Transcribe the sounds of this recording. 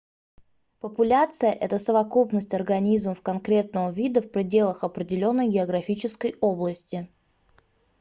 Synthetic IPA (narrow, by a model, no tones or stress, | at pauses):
pəpʊlʲat̪sɨjəʔɛt̪əsəvɐkupnəsʲtʲɐrɡɐnʲizməfkɐnkɾʲe̞t̪̚nəvəvʲid̪əfpɾʲɪdʲe̞lˠəxɐpɾʲɪdʲɪlʲo̞nːəjɡʲɪɐɡɾɐfʲit͡ɕɪskəjo̞blˠəsʲtʲɪ